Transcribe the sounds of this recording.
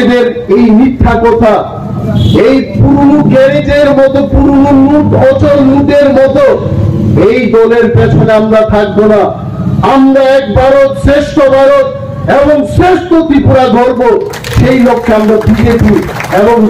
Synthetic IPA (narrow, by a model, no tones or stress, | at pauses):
d̪eɾ | ejmit̪ʰːakɔt̪ʰa | ejpuɾunuɡɛɾed͡ʑeɾmɔt̪opuɾununuʈɔt͡ɕolnuʈeɾmɔt̪o | ejd̪ɔleɾpet͡ɕʰoneamɾat̪ʰak̚bona | amɾaɛk̚baɾot̪ʃeʃːobʱaɾot̪̚ | eboŋʃeʃt̪ot̪ipuɾad̪ʱoɾbo | ʃejlokʰːeamɾabid͡ʑepi | eboŋ